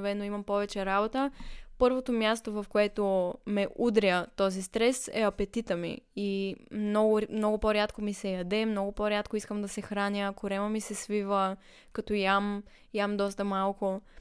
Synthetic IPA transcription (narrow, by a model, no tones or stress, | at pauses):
vɛnoimɐmpɔvɛt͡ʃɛɾabot̪əpɤɾvot̪omʲjast̪ovɐfkoɛt̪omɛʔud̪ɾʲət̪ɔzist̪ɾɛsɛ̰ɐpɛt̪it̪əmḭimnɔɡʊmnɔɡʊpoɾʲat̪komisɛjɐd̪ɛmnɔɡʊpoɾʲat̪koiskəmd̪ɐsɛxɾanʲjəkoɾɛməmisɛsvivə | kɐt̪ɔjam | jamd̪ɔst̪əmalˠkʊ